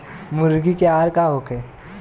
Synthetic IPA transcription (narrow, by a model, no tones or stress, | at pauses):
mʊɾɡikeaːɾkaɦoːkeː